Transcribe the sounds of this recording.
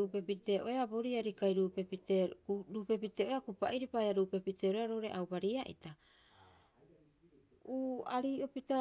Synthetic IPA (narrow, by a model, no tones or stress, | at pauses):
upepite̞ʔo̞eaboɾiaɾikajɾuːpepiteɾuːpe̞pite̞ːʔoeakupaʔiɾipaaɾuːpe̞piteɾoaɾo̞wɾe̞̰ʔawbaɾiaʔḭta | uːaɾiːopita